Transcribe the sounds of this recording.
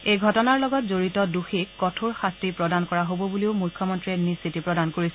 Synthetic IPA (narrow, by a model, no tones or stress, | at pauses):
ejɡʱɔtɔnaɹlɔɡɔtzoɹitɔduxikːɔtʰuɹxastipɹɔdankɔɹaɦobɔbuliʊmujkʰːjɔmɔntɹɛnisitipɹɔdankoɹisɛ